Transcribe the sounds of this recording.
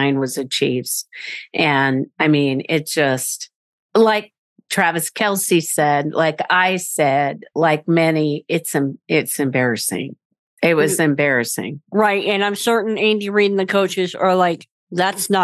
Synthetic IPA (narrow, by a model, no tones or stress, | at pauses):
ɪ̃nwʌzɨt͡ʃʰivd̥ʔɨ̃naɪmĩnɪt̚d̥ʒ̥ʌst | laɪk̚ | tʰɹ̥ævɨskʰɛlˠsisɛd̚laɪkaɪsɛd̚laɪk̚mɛniɪtsɨ̃mɪtsɨ̃mbɛɹɨsɪ̰̃ŋ | ɪt̚wʌzɨ̃mbɛɹɨsɪ̰̃ŋɹaɪt̚ɨ̃nãɪ̃msɜ˞ʔn̩ẽɪ̃ndɨɹiɾɪ̃ŋ̩ðɨkʰoʊt͡ʃɨzə˞laɪk | ðætsnə